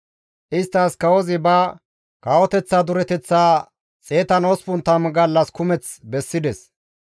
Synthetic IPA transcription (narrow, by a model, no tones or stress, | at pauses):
ʔɪst̪ːɐskɐwɔzɪbɐ | kɐwɔt̪ɛt͡sːad̪ʊɾɛt̪ɛt͡sːaː | t͡sʼeːt̪ɐnɔspʊnt̪ːɐmɡɐlːɐskʊmɛt͡sbɛsːɪd̪ɛs